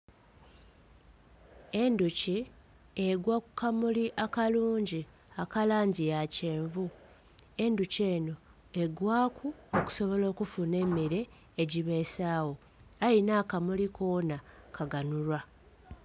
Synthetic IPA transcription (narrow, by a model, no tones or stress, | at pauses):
e̞nduci | eɡwakukamuliʔakaluːɲɟi | akalaːɲɟijaceːɱvu | e̞nduce̞ːno̞ | e̞ɡwaːkʰuoku̥so̞βo̞lo̞ːkufune̞miɾe̞ː | ɟiβe̞saːwo̞ | ainaːkamulikʰo̞ːnakʰaɡanulwa